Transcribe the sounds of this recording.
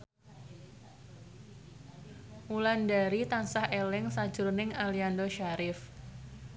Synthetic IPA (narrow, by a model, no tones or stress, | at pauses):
ʔulandaɾit̪ansahelɪŋsḁd͡ʒʊrnɪŋaliandoʃaɾɪf